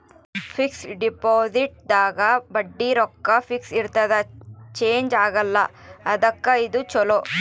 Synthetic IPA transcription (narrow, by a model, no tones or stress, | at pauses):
pʰiksɖipoːziʈ̚d̪aːɡɐbɐɖːiɾɔkːɐpʰiksiɾt̪ɐd̪ɐt͡ʃeːɲd͡ʒaːɡɐlːɐ | ɐd̪ɐkːɐid̪ut͡ʃɔlo